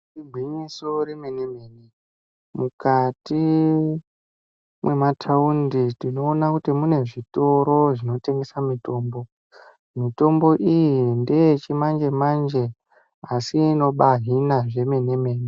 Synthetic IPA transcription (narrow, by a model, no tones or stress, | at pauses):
riɡʱwiɲiso̞ɾemeneme̞ːne | mukati | mwʔe̞matʰaunditino̞ːnakutimune̞ʐito̞ɾo̞ʐino̞te̞ŋɡe̞samito̞ːmbo̞ | mito̞mbo̞ʔijindejet͡ʃimand͡ʒe̞mand͡ʒe | asiːno̞ɓaɦinaʐe̞me̞ne̞me̞ːne